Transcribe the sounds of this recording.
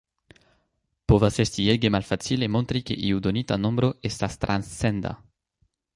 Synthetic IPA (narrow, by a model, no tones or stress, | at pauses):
povasest̪ieɡemalfat͡silemõnt̪ɾikeʔiud̪onit̪anõmbɾoest̪ast̪ɾʔãnsɛnd̪a̰